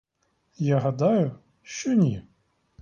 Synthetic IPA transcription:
jaɦad̪ajʊ | ʃɔnʲi

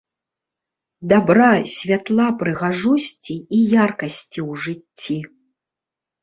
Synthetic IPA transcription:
d̪abɾasʲvʲat̪lˠapɾɨɣaʐusʲt͡sʲiːjarkɐsʲt͡sʲiwʐɨt͡sʲːi

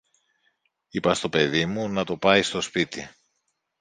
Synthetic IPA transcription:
ipɐst̪o̞pe̞ðimunɐt̪o̞pɐjst̪o̞spit̪i

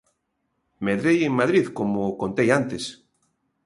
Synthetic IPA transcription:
meðɾejeŋmaðɾiðkomokont̪ejant̪es

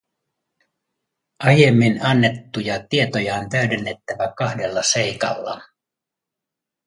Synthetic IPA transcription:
ʔɑje̞mːinɑnːe̞t̪ːujɑt̪ie̞t̪o̞jɑont̪æɥdenːe̞t̪ːæʋækɑhde̞lːɑse̞jkɑ̰lːɑ̰

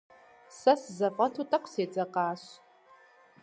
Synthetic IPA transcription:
sɐsɨzɐfʼɐtʰutʼɐqʷʰseːt͡sʼɐqɑːɕ

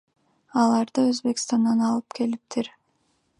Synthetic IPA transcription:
ɑlˠɑɾd̪ɯøzbe̞kst̪ɑnd̪ɑnɑlˠɯpkʰe̞lip̚t̪ʰiɾ

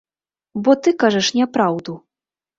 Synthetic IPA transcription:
bɔt̪ɨkaʐɐʂnʲɛpɾawd̪u

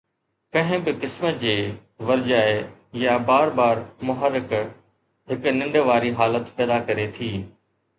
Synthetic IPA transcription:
kɐ̃ɦɪ̃bɪkɪsməd͡ʑeː | ʋɐɾd͡ʑaːejabaːɾbaːɾmʊɦəɾɪk | ɦɪknɪ̃ɳɖʋaːɾiɦaːlət̪pɛːd̪akɐɾet̪ʰiː

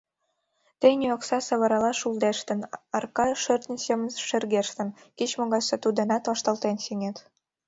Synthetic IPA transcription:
t̪enʲioksɑsəβəɾɑlɑʃuld̪eʃt̪ənɑrkɑʃørt̪nʲisemənʃerɣeʃt̪ə̆n | kit͡ɕmoɣɑset̪ud̪ənɑt̪vɑʃt̪ɑlˠt̪ensiŋet̪

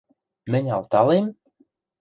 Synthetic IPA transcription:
mɘ̆nʲɑ̰lˠt̪ɑlem

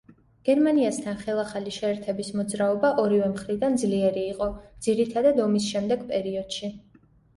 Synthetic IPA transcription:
ɡ̥ɛɾmaniast̪ʰanχɛlˠaχaliʃɛːɾt̪ʰɛbismɔd̪zɾaɔbaʔɔɾivɛmχɾid̪and̪zliɛɾiːqʼɔd̪z̥iɾit̪ʰad̪ad̪ɔmisʃɛmd̪ɛɡpʼɛɾiɔd̪̥ʃi

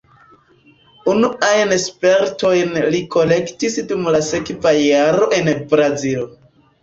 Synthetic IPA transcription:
unuajnespe̞ɾto̞jnliko̞le̞ktisdumlasekvajaɾo̞ʔe̞nbɾazilo

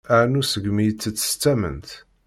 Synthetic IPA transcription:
æʕnusəɡmijət͡sːət͡sːə̥st̪ːæmə̰nt̪

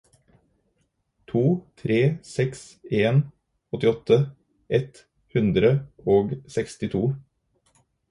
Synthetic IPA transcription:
t̪ʰuːt̪ʰɾeːsɛkseːn | ɔt̪ɪɔt̪ʰə | ʔɛt̪ | hʉnd̪ɾəoːɡsɛkst̪ɪt̪ʰuː

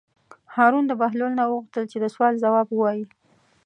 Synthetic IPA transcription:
hɑɾund̪əbaɦlolnawəɣuxt̪əlt͡ʃed̪əswɑlzawɑbwəwɑji

